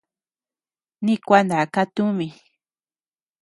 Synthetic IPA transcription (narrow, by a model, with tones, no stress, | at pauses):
nĩ˦kʷa˦nd̪a˨ka˦t̪ũ˦mĩ˧